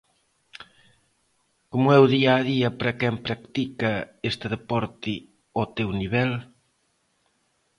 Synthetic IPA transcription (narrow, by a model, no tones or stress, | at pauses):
komʊɛwðiaːðiɐpɾɐkɛmpɾakt̪ikɐest̪ɪðepɔɾt̪ɪ | ot̪ewniβɛl